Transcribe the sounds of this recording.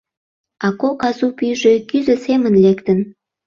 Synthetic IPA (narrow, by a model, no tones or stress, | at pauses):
ɑkokɑzupyjʒekyzəsemənlekt̪ən